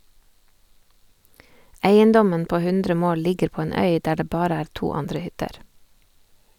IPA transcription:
ˈæɪənˌdɔmən ˈpoː ˈhʉndɾə ˈmoːl ˈlɪɡəɾ ˈpoː ˈeːn ˈœʏ ˈdæː ˈɖeː ˈbɑːɾə ˈæːɾ ˈtuː ˈɑndɾə ˈhʏtəɾ

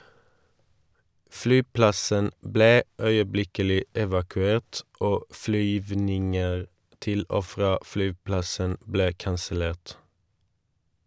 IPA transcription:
ˈflyːˌplɑsən ˈbleː ˈœʏəˌblɪkəlɪ ɛʋɑkʉˈeːʈ ˈoː ˈflyːʋnɪŋəʁ ˈtɪl ˈoː ˈfʁɑː ˈflyːˌplɑsən ˈbleː kɑnsəˈleːʈ

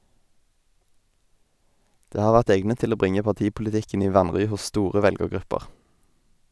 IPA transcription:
ˈdeː ˈhɑːʁ ˈʋæʁt ˈɛɡnət ˈtɪl ˈoː ˈbʁɪŋə pɑˈtiːpʊlɪˌtɪkn̩ ˈiː ˈʋɑnʁʏ ˈhʊs ˈstuːʁə ˈʋɛlɡəʁˌɡʁʉpəʁ

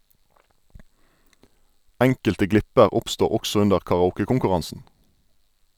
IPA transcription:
ˈæŋkəltə ˈɡlɪpəʁ ˈʊpstuː ˈɔksɔ ˈʉndəʁ kɑʁɑˈuːkəkʊŋkʉˌʁɑnsn̩

